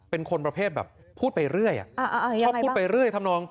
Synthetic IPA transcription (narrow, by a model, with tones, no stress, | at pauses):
pe˧nkʰo˧npɾa˧pʰeː˥˩t̪̚bɛ̰ː˨˩pʰːuː˥˩t̪̚pa˧jɾɯ˥˩əjʔa̰˨˩ʔkʰɔ˥˩pu˥˩t̚pa˧jɾɯ˥˩əjt̪ʰa˧˥mnɔː˧ŋ